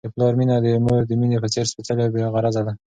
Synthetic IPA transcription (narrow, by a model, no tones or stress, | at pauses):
d̪əplɑɾminad̪əməɾd̪əminepət͡seɾspət͡s̪əlabeɣaɾazad̪a